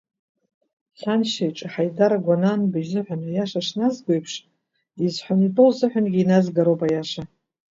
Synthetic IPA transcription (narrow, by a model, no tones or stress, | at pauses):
sanʃajʈ͡ʂʼaħajdaɾaɡʷananbɨʒzɨħʷᶣanɨjaʂaʂnazɡʷo̞jpʰʂ | izħʷanitʼowzɨħʷᶣanɡʲiinazɡaɾowpʼajaʂa